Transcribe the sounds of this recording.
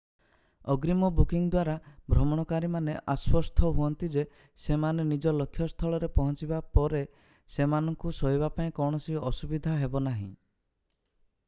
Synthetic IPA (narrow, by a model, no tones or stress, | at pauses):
ɔɡɾimɔbukiŋd̪waɾabʱɾɔmɔɽ̃ɔkaɾimaneʔaswɔst̪ʰɔɦuɔnt̪id͡ʒe | semanenid͡ʒɔlɔkʰːjɔst̪ʰɔɭɔɾepɔɦɔnt͡ʃibapɔɾe | semanɔŋkusɔɦiβapaĩkɔwɽ̃ɔsiɔsubid̪ʱaɦebɔnaɦḭ̃